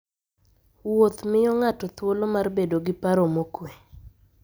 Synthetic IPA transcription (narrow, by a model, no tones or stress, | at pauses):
wot̪mɪjɔŋatɔt̪wolomarbedoɡɪpaɾomokwe